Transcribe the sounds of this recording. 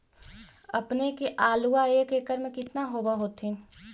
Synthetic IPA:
ɐpnekeʔaːluaeːkeːkəɾmẽkɪt̪naɦoːbaɦoːt̪ʰi

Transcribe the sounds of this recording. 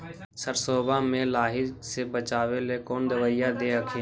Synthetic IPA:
səɾsoːbãːmẽːlaːɦɪseːbət͡ʃaːʋeːleːkoːnd̪əʋaːɪjaːd̪eːɦəkʰẽː

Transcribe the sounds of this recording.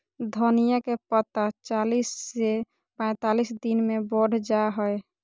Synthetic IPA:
d̪ʱonijəkepət̪at͡ʃalisːe | pə̃ɪ̃t̪alisd̪inmeboɽ̤ʱd͡ʒaɦɔj

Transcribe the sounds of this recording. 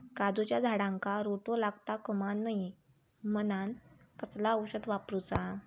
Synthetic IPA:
kad̪ut͡ɕjad͡zʱaɽãŋkaɾoʈolaɡt̪akəmanːəji | mənan | kəslaəwɕəd̪ʋapɾut͡sa

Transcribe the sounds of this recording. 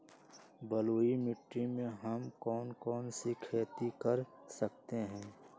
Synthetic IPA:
bɐloːimɪʈɾimẽɦɐmkɔːnkɔːnsikʰeːt̪ikɐɾsɐk̚t̪eɦɛ̃ː

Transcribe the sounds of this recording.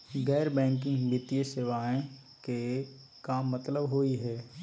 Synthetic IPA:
ɡɛːɾbɛ̃ːŋkɪ̃ŋɡbɪt̪ijəseːʋaːẽ | ke | kaːmːɐt̪ləbɦoːiɦɛː

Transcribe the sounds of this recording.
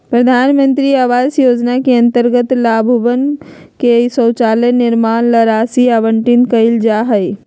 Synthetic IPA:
pɾɐd̪ʱaːnmə̃nt̪ɾiaːʋaːzjoːd͡ʒnakiɐ̃nt̪əɾɡət̪laːbʱʊbən | kesə̃ːt͡ʃaːlenɪɾmaːnlɐɾaːsiaːʋəɳʈɪnkɐɪld͡ʒaːɦəi

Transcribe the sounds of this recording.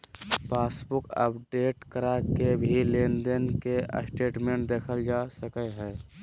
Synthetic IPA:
paːsbʊkə̰pɖeːʈkəɾakebʱilend̪ənkeə̰sʈeːʈmẽːɳʈd̪eːkʰəld͡ʒasəkəɦɛː

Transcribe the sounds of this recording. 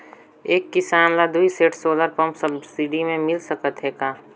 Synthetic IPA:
eːkːɪsaːmlad̪uiseːʈsoːləɾpɐ̃mpsɐbsiɖimẽmɪlsɐkət̪ɦeːɡaː

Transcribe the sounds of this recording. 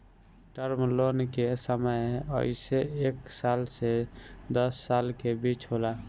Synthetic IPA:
ʈəɾmlonkesəməjə̰ɪseeksalsed̪əsːalkebit͡ʃɦola

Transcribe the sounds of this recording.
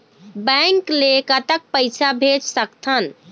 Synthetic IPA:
bəŋklekət̪ək̚pəɪt͡ʃʰabʱed͡ʒsəkt̪ʰən

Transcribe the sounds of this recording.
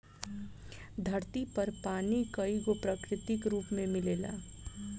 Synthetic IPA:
d̪ʱɐɾt̪ipɐɾpaːnikɐiɡopɾəkɾɪt̪ɪkɾuːpmẽmɪleːla̰ː

